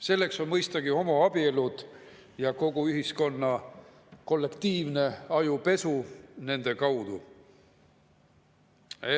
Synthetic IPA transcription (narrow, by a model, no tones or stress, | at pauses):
se̞lːe̞kso̞nmɤjst̪ɑɡio̞mɑɑb̥ielud̪̥ | jɑko̞ɡ̥uyɦisko̞nːɑ | ko̞lːe̞kt̪iːvne̞ɑjupe̞sune̞nd̪̥e̞kɑwd̪̥u